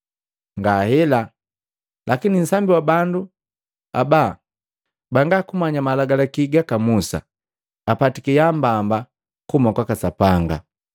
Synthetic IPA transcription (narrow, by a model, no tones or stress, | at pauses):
ŋɡahɛla | lʔakinin̩sambiwabandu | a̰ba | baŋɡakumaɲamalaɡalakiɡakamusa̰ | apatikijambamba | kumakwakasapaŋɡa̰